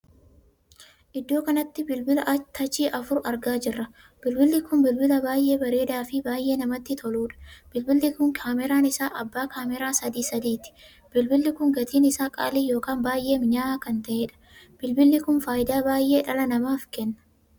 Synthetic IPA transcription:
ʔɪd̪ːo̞ːkɐnɐt̪ːɪbɪlbɪlɐʔɐt̪ʰɐt͡ʃiːʔɐfʊɾɐɾɡaːd͡ʒɪrːɐ | b̥ɪlbɪlːɪkʊnbɪlbɪlɐbaːjʔe̞ːbɐɾe̞ːd̪aːfɪbaːjʔe̞ːnɐmɐt̪ːɪt̪ʰɔluːᶑɐ̥b̥ɪlbɪlːɪkʊŋkʰaːmɛɾaːnɪsaːʔɐbːaːkʰaːmɛɾaːsɐd̪iːsɐd̪iːt̪ɪ̥ | b̥ɪlbɪlːɪkʊŋɡɐt̪iːnɪsaːkʼa̰ːliːjo̞ːkaːnbaːjʔe̞ːmɲaːakɐnt̪ɐʔeːᶑɐ̥ | b̥ɪlbɪlːɪkʊnfaːjɪd̪aːbaːjʔe̞ːᶑɐlɐnɐmaːfkɛnːɐ̥

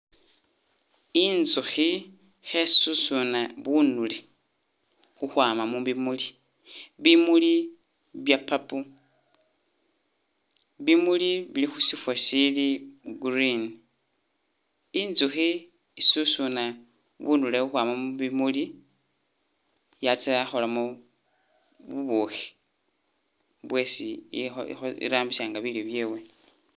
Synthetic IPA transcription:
inzuxi | xesusunaβunule | xuxwaːmamuβimuli | βimuli | βjapapu | βimuliβilixusifwasiliɡuɾin | inzuxi | isusuna | βunduleuxwaːmamuβimuli | jat͡saaxolamo | βuβuxi̥ | βwe̞ːsio̰ḭɾaːmbisaːŋɡaβiliβjeːwe

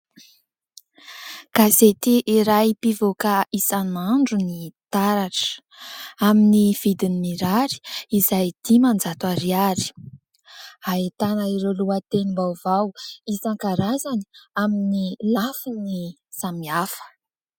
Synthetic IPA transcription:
ɡ̥azet̪iʔːɾajpivokaisanaɳɖ͡ʐunit̪aɾaʈ͡ʂə̥ | aminiv̥id̪inimiɾaɾi̥izajd̪̥imand͡zat̪aɾiaɾi̥ | aet̪anaiɾoluat̪enimbawvawisaŋkaɾazani̥aminilafini | samiafə̥

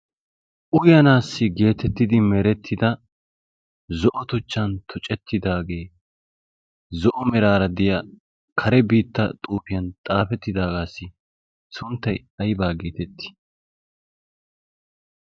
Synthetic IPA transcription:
ʔʊjɐnaːsːɪɡe̞ːt̪ɛt̪ːɪd̪ɪmɛɾɛt̪ʰːɪd̪ɐ | zɔʔɔt̪ʊt͡ʃːɐnt̪ʰʊt͡ʃʼɛt̪ːɪd̪aːɡe̞ː | zɔʔɔmɛɾaːɾɐd̪ɪjɐ | kʰɐɾɛbiːt̪ːɐt̪ʼuːpɪjɐnt̪ʼaːpɛt̪ːɪd̪aːɡaːsːɪ | sʊnt̪ːɐj | ɐjbaːɡeːt̪ɛt̪ːɪ̥

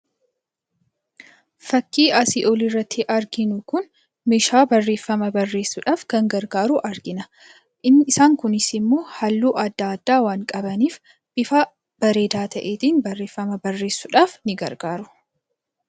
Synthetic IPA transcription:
fɐkːiːɐsiʔɔlɪrːɐt̪ːɪʔɐɾɡɪnʊkʊn | meʃaːbɐrːe̞ːfːɐmɐbɐrːe̞ːsːʊᶑaːfkɐŋɡɐɾɡaːɾuʔɐɾɡɪnɐ | ʔɪnɪsaːŋkʊnɪsɪmːoːhɐlːuːʔɐd̪ːaːɐd̪ːaːwaːŋkʼɐbɐniːf | b̥ɪfaː | b̥ɐɾe̞ːd̪aːt̪ʰɐʔeːt̪iːnbɐrːe̞ːfːɐmɐbɐrːe̞ːsːʊᶑaːfnɪɡɐ̰ɾɡaːɾʊ̥

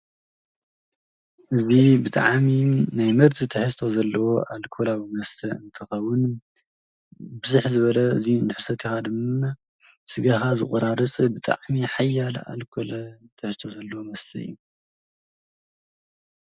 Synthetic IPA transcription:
ʔɨzibɨt̪ʼa̰ʕminajmɨɾt̪ʰit̪ʰɨħɨst̪ʰo̞zɐlːɐwo̞ʔalkʰolawimɐst̪ʰɐɨ̰nt̪ʰɨxɐwːʊn | bɨzuħzɨβɐlɐɨzind̪ɨħɨsɐt̪ʰixad̪ɨma | sɨɡaxazɨ̰χʼɐɾaɾɐt͡sʼbɨt̪ʼa̰ʕmiħajːala̰lkʰolɐt̪ʰɨħɨst̪ʰo̞zɐlːɐwomɐst̪ʰɐɨ̰jːu

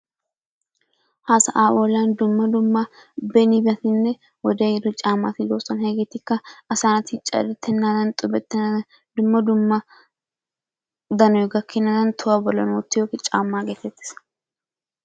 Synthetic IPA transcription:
hasɐʔaːʔoːland̪ʊmːɐd̪ʊmːɐbɛnɪbɐt̪ɪnːɛ | wɔd̪ejɪd̪ɔt͡ʃʼaːmːa̰ːt̪ɪd̪oːsɐnhɛɡet̪ːɪkːɐɐsanɐt̪ɪt͡ʃʼɐ̰d̪ɛt̪ʰːɛnːaːd̪ɐnt̪ʼʊbɛt̪ːɛnɐd̪ɐ | d̪ʊmːɐd̪ʊmːɐ | d̪ɐnɔjɪɡɐkʰːɪnːɐd̪ɐnt̪ʰʊwabɔlɐ̰nwɔt̪ːɪjoːkɪt͡ʃʼa̰ːmːaːɡet̪ːɛt̪ːɪ̥s

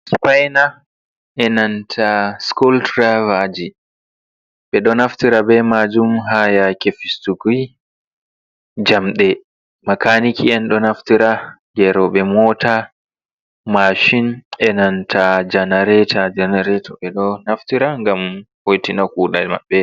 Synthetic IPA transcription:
spajna | ʔɛnantʰaskultɾavad͡ʒi | ɓɛɗɔnaftiɾabɛmad͡ʒumɦajakefistuɡi | d͡ʒamɗɛ | makanikʰiɛnɗɔnaftiɾa | ɡɛɾɔɓɛmɔta | maʃinʔɛnantʰad͡ʒanaɾɛtʰad͡ʒanaɾɛtʰɔɓɛɗɔnaftiɾaŋɡam | hojtinakuːɗama̰ɓːɛ

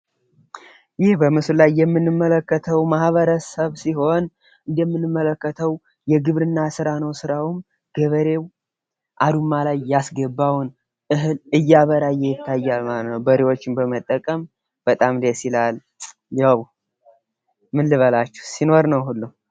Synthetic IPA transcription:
jɪhbəmɨslajːɛmːɨnːɨmːələkːət̪ʰəwmahβəɾəsəβsiho̞n | ʔɨnd̪ɛmːɨnːɨmːələkːət̪ʰəw | jɛɡɨβɾɨnːasɨɾanəwsɨɾawum | ɡ̥əβəɾe̞w | ʔad̪umːalajːasɡəbːawn | ʔɨɦɨlɨjːaβəɾajːɛjɪt̪ːajːalmalətt̪nəwbəɾewo̞t͡ʃːɪnbəmət̪ʼːəkʼəm | b̥ət̪ʼamd̪esilal | jaw | mɨnlɨβəlat͡ʃːɛ̥hsino̞ɾnəwhulːum

